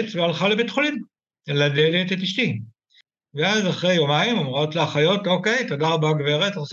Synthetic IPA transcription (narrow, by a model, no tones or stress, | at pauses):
t͡svealχalebetχolim | ladelet̪etiʃt̪i | veazaχʁe̞jo̞maimomʁo̞t̪leaχajo̞to̞ke̞jt̪odaʁbaɡveʁet̪s